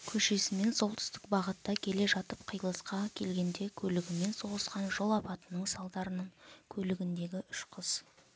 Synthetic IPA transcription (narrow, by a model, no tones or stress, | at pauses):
kʲʰɵʃe̞sɪme̞nso̞lˠt̪ʰʏ̥st̪ɪ̥kbɑʁət̪ːɑkʲʰe̞le̞ʒɑt̪əp̚qʰəjlˠəsqɑkʲʰe̞lɡʲe̞nd̪e̞kʲʰɵlɪɡʲɪme̞nso̞ʁəsqɑnʒo̞lˠɑpɑt̪ənəɴsɑlˠd̪ɑɾənəɴkʲʰɵlɪɡʲɪnd̪e̞ɡʲɪʔʏʃqʰəz̥